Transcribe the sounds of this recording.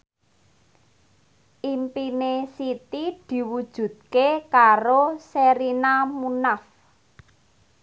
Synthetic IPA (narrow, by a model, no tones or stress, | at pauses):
ʔimpinesit̪id̪̥i̤wud̥ʒ̥ṳd̪̚kekaɾoseɾinamunaf